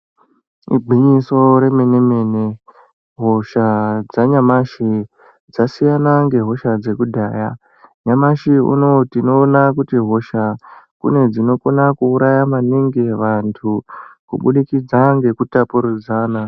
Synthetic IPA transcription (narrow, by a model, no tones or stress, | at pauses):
ḭɡ͡bʱiɲisoɾe̞menemene | ɦo̞ʃad͡zaɲamaʃi | d͡zasijanaŋɡe̞ɦo̞ʃad͡ze̞kudʱaːja | ɲamaʃiṵno̞tino̞ːnakutiɦo̞ʃakṵne̞d͡zino̞konakuːɾajamaniŋɡeʋantʰukṵɓuɗikid͡zaŋɡe̞kutapuɾud͡zaːna